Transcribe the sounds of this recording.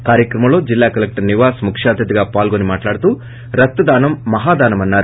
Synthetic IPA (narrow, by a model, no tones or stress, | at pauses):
kaːɾjɐkɾɐmɐlo̞ːd͡ʒilːaːkɐlek̚ʈɐɾniʋaːsmukʂaːd̪ʱjɐt̪iɡaːpaːlɡonimaːʈlaːɽut̪uː | ɾɐt̪ːɐd̪aːnɐmːɐɦaːd̪aːnɐmɐnːaːɾu